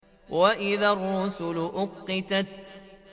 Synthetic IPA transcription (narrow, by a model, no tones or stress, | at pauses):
waʔɪðaːrˤːuːsʊlʊʔʊqːɪt̪at̪